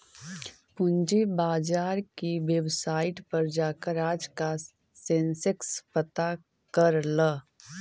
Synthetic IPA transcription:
pʊɲd͡ʒebaːd͡ʒaːɾkiʋebsaːɪʈpɐɾd͡ʒaːkəɾaːd͡ʒka | sẽnsɪkspət̪a | kəɾlə

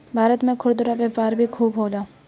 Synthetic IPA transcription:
bʱaːɾət̪mẽkʰʊɽd̪ʊɾabeːpaːɾbʱikʰuːbɦoːlaː

